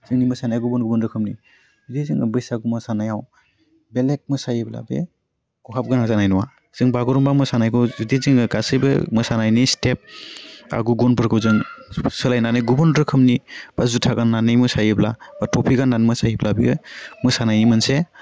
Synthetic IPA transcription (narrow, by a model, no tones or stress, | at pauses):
z̥ɯŋnimɯsanajaɡubɔnɡubɔndɾɯkʰɯmni | zidezɯŋɯbɯjsaɡumɯsanajaw | belek̚mɯsajɯbla̰bḛ | ɡ̥ɔɦap̚ɡɯnazanajnɔwa | z̥ɯŋbaɡɔɾɔmbamɯsanajkʰɯzɯdezɯŋɯɡasɯjbɯ̰mɯsanajnistʰep̚a̰ɡuɡɔnpʰɯɾkʰɯzɯŋsɯlajnanɯjɡubɔndɾɯkʰɯmnib̥azutʰaɡanːanɯjmɯsajɯblabatʰɔpʰiɡanːanmɯsajiblabiɯmɯsanajnimɯnse